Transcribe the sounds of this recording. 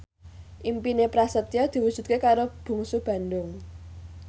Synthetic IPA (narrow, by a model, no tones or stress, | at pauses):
ʔimpinepɾasət̪jɔd̪̥i̤wud̥ʒ̥ṳt̪̚kekaɾob̥ṳŋsub̥ä̤nd̪ʊŋ